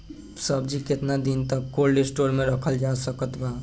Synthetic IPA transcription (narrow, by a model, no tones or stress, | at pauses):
səbd͡ʒikɪt̪nad̪int̪əkːoːɾɖesʈoːɾmẽɾəkʰəld͡ʒaːsəkət̪baː